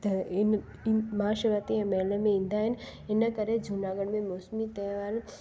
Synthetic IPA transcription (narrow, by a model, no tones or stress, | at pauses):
t̪ɐn | maːʃəɾat̪iɛ̃mɛːlemẽĩːnd̪aɦɪnɪnəkəɾed͡ʒʱunaːɡəɽ̃mẽmoːsmit̪ɛːʋaːl